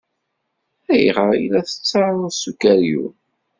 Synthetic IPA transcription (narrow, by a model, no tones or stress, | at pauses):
æjʁəɾḭlæθə̥t͡sːɑðˤəðsukæɾjṵ